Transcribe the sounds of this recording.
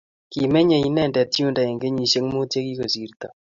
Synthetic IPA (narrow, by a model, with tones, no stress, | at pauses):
ki˨mɛ˦ɲɛ˨i˦nɛ˦˨ndɛ˨tju˦nda˨ɛ˨ŋɡe˦ɲi˨ʃe˦ŋmo˦tje˦ki˦ko˨si˨˦rt̪a˨